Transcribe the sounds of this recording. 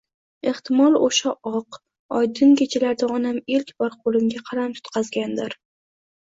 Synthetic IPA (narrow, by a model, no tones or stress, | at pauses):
e̞ht̪ɪmɒlˠoʃaʔɒq | ɒjd̪ɪnkʲet͡ʃʰalaɾd̪aɒnamelkʲbɒɾqʰolˠɪmɡʲaqʰɑɾamt̪ʰʊ̥t̪qʰɑzɡʲand̪ɪɾ